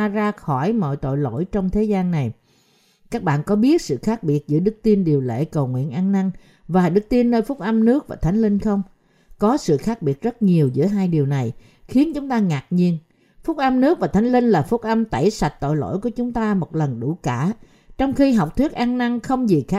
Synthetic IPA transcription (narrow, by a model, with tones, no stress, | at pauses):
zaː˧xɔ˧˩jmɔ̰˧˨jt̪o̰˧˨jlo̰˧˥˨jt͡ɕɔ˧wŋ͡mt̪ʰe˨˦zaː˧nːa˨˩j | kaː˦˥k̚ɓa̰ː˧˨nkɔ˨˦ɓi˦˥ət̚sɨ̰˧˨xaː˦˥k̚ɓi˨˩ət̚zɨ̰˧˥əɗɨ˦˥k̚t̪i˧nɗi˨˩əwlḛ˧˥˨kə˨˩wŋwḭ˧˨ənʔaː˧nna˧ŋ | vaː˨˩ɗɨ˦˥k̚t̪i˧ənːəː˧jfʊ˦˥k͡p̚ʔə˧mnɨ˦˥ək̚vaː˨˩t̪ʰa˨˦jŋ̟lï˧ŋxə˧wŋ͡m | kɔ˨˦sɨ̰˧˨xaː˦˥k̚ɓi˨˩ət̚zə˦˥t̚ɲi˨˩əwzɨ̰˧˥əɦaː˧jɗi˨˩əwna˨˩j | xi˨˦ənt͡ɕʊ˨˦ŋ͡mt̪aː˧ŋaː˨˩t̚ɲi˧ən | fʊ˦˥k͡p̚ʔə˧mnɨ˦˥ək̚vaː˨˩t̪ʰa˨˦ŋ̟lï˧nlaː˨˩fʊ˦˥k͡p̚ʔə˧mt̪a˧˩jsa˨˩jt̚t̪o̰˧˨jlo̰˧˥jku˨˩ət͡ɕʊ˨˦ŋ͡mt̪aː˧mo˨˩t̚lə˨˩nɗu˧˩kaː˧˩ | t͡ɕɔ˧wŋ͡mxi˧ɦa˨˩wk͡p̚t̪ʰwi˦˥ət̚ʔaː˧ŋna˧ŋxə˧wŋ͡mzi˨˩xaː˦˥